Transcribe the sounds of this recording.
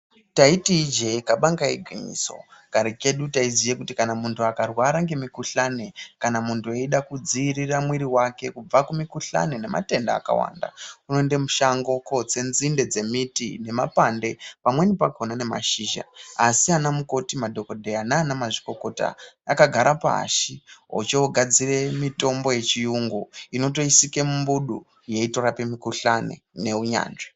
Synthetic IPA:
taitiːd͡ʒe̞ikaɓaŋɡaiɡʱeɲḭːso̞̰ɡ̥ʱaɾike̞ɗutaizijekutikanamuntʰuakarwaɾaŋɡe̞mikuɬane̞kanamuntʰueiɗakud͡ziiriramwiɾiwake̞kub͡vakumikuɬa̰nene̞mʔa̰te̞nda̰ːka̰wa̰ːnda̰uno̞nde̞muʃaŋɡoko̞t͡se̞nzinde̞d͡ze̞mitḭne̞mapande̞pamwenipakonane̞ma̰ʃiːʒa̰asianamuko̞timadʱo̞ko̞dʱe̞anaːnamaʐi̥ko̞ko̞ta̰jakaɡʱaɾapa̰a̰ʃiɦo̰t͡ʃeoɡʱad͡zire̞mito̞mbo̞je̞t͡ʃijuŋɡoino̞t̬o̞isike̞mumbuɗu | je̞ito̞ɾape̞mikuɬanḛne̞uɲa̰ːnʐe

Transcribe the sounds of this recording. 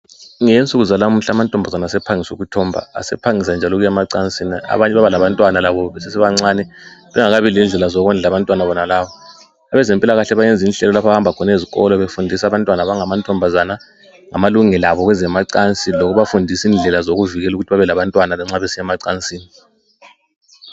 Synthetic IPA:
ŋent͡sʼuɣuzalam̩ɬamantʼɔmbʱazanasɛpʰaŋisṵɣutʰɔmbʱa̰a̰sɛ̰pʰaŋisand͡ʒʱalɔɣujɛmaǀant͡sʼinia̰βaɲɛβaβalaβantʼwanalaβɔβɛsɛsɛβaŋ͡ǀaːnɛβɛŋaɣaβilind͡ɮʱɛlazɔɣɔnd͡ɮʱaβantʼwanaβɔnalaːβɔ | aβɛzɛmpʼilaɣaɬɛβajɛnd͡zʱinɬɛlɔlapʰaahambʱakʰɔneziɣɔ̰lɔβefundʱisaβantʼwanaβaŋamantʼʰɔmbʱazana | ŋamaluŋɛlaβɔɣwɛzɛmaǀant͡sʼilɔkuβafundʱisiːnd͡ɮʱɛlazoɣuviɣɛluɣutʰiβaβɛlaβantʼwanalɛŋ͡ǀaβesijɛmaǀant͡sʼiːni

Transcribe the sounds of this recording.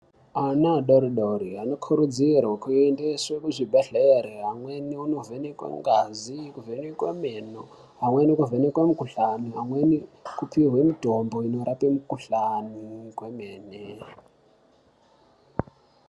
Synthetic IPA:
anaɗoɾiɗoɾianokʰuɾud͡zirwakuendeswekuʐibʱeɮeɾeɦamweniunovenekwḛŋɡazikuvenikwḛmeno | ɦamwenikuvenikwemukuɬaniɦamwenikupʰiɦwemitomboinoɾapimukuɬanikwemeːne

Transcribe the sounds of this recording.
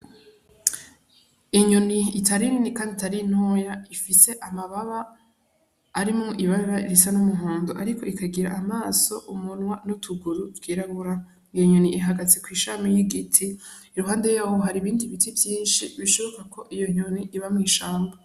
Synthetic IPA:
iɲoniːtʰaɾininikaːnditaɾin̥hoːjaifise̞ʔamaβaβa | ɾimŋoʔiβaβaiɾisanumuɦaːndoʔaɾikʰo̞ikʰaɡiɾa̰ʔamaːso̞ʔumunwanutʰuɡuɾutwiːɾaɡuɾa | ijoɲoniʔiɦaɡat͡sikwiːʃamijiɡitʰiː | ɾuɦaːnde̞jaːwoɦaɾiβiːndiβitivjiːnʃiβiʃoβo̞kakʰo̞ʔijoɲoniʔiβamŋiːʃaːmba

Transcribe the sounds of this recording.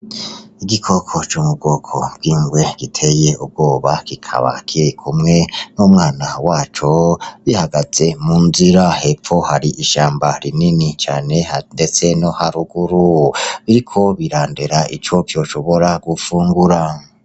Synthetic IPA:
iɡikʰo̞kʰo̞t͡ʃumub̚ɡo̞kʰobɡiːŋɡwe̞ɡ̥itʰe̞je̞ub̚ɡo̞ːβaɡ̥ikʰa̰βa̰kʰiɾikʰumŋe̞nomŋaːnawaːt͡ʃo̞βihaɡaze̞munziɾahe̞p͡fo̞haɾiʔiʃaːmbaɾininit͡ʃaːne̞hnde̞t͡se̞nohaɾuɡuɾuβiɾikʰo̞βiɾaːndeɾaḭt͡ʃo̞kjo̞ːʃo̞βo̞ɾaɡ̥ufuːŋɡuɾa

